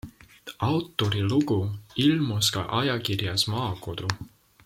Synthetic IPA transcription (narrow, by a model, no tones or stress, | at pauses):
ɑwt̪ːoɾiluɡuilʲmoskɑ̰ʔɑjɑkirjɑsmɑːkod̪̥u